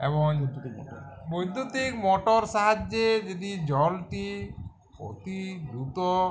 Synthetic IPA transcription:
ḛbɔŋ | bojd̪ʱːut̪ikmɔʈɔɾʃaɦad͡ʒːed͡ʒod̪id͡ʑɔlʈi | po̰t̪ibɾut̪ɔ

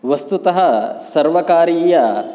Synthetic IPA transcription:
ʋɐst̪ut̪ɐɦɐsɐɾʋɐkaːɾiːjɐ

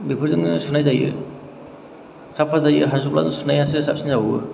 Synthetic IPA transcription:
bipʰɯɾzɯŋɯsunajzajɯ̰ | sapʰazajɯɦazup̚la̰zɯsunajasɯsap̚sinzawɯ

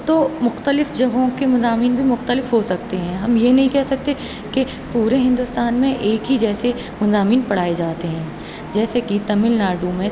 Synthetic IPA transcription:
t̪omʊxt̪əlɪfd͡ʒɐɡõkemɐzaːmiːnbʱimʊxt̪əlɪfɦosɐk̚t̪eɦɛ̃ːɦɐmjenɐɦĩkɛɦsɐk̚t̪e | ke | puːɾeɦɪ̃nd̪ʊst̪aːnmẽʔeːkɦid͡ʒɛːse | mɐzaːmiːnpɐɽ̤aːed͡ʒaːt̪eɦɛ̃ː | d͡ʒɛːsekit̪ɐmɪlnaːɖumẽ

